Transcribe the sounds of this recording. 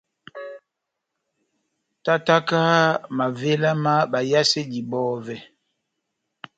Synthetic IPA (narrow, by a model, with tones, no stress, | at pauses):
ta˦ta˦ka˦ma˨ve˦la˦ma˦ɓa˨ja˦se˦ɟi˨ɓɔː˦vɛ˨